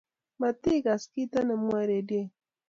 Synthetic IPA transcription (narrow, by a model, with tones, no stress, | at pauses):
ma˨t̪i˦ka˨ski˦t̪a˦nə˨mu˦a˦ɾe˨de˦